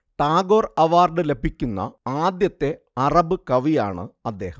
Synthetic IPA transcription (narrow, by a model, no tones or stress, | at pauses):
ʈaːɡo̞ːrɐʋaːrɖɨle̞bʱikʲːunːɐ̰aːd̪jɐt̪ːe̞ | ɐrɐbɨkɐʋija̰ːɳɨ̰ɐd̪ːe̞ːhɐm